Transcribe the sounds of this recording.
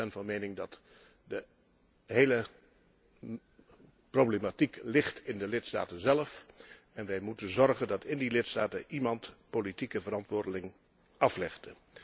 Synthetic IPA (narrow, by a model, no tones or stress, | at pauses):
ɛnvɑnmejnɪŋdɑt | də | ɦejlə | prowblematiklɪχtɪndəlɪtsta̰ːtənzɛləf | ɛnʋɛjmutənzɔɹχəndɑtɪndilɪtsta̰ːtəʔimɑntpolitikəvəɾɑntʋʊːɹdəlɪŋ | ɑflɪχdə